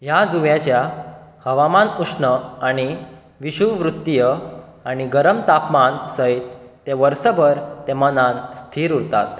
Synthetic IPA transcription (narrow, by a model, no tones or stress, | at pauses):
ɦjad͡zuʋjat͡ɕjahəʋamanusnəaɽ̃i | ʋiɕuʋɾut̪ːjə | aɽ̃iɡəɾəmt̪apmansəit̪ː | eʋəɾsəbʱəɾt̪emənanst̪ʰiːɾuɾt̪a̰t̪